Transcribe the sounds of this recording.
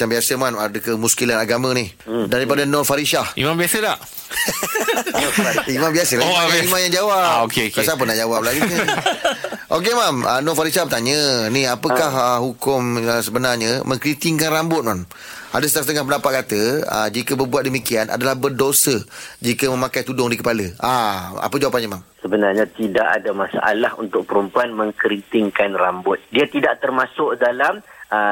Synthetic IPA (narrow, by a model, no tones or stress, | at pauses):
jambiasəmanadəkəmuskilanaɡamə̃nihdaɾipadanɔrfaɾiʃahḭmãmbiasədaʔ | aimãmbiasəlaoimãjaŋd͡ʒawaʔokeokasap̬ənaʔd͡ʒawap̚laɡunə | ʔok̬emamə̰nɔ̃faɾiʃahbət̪aɲənihapəkahəhukʊməsəbənarɲəmə̃ŋkɾint̪iŋkanrambʊt̪̚mam | ʔadəsə̥t̪ast̪əŋahpəndapat̪̚kat̪əə̰d͡ʒikəbərbuat̪̚dəmikiana̰dalahbərdosəd͡ʒikəmə̃mãkajt̪udʊŋdikəpaləaa̰pəd͡ʒawapanɲamamsəbənarɲat̪idaʔa̰damasa̰ʔa̰lahṵnt̪ʊk̚pəɾumpuanmə̃ŋkəɾint̪iŋkanrambʊt̪̚diat̪idaʔt̪ərmãsʊʔ̚dalamə